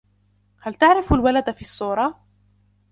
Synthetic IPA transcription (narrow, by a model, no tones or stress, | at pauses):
halt̪aʕɾɪflwalad̪fiːsˤːuːɾˤɑ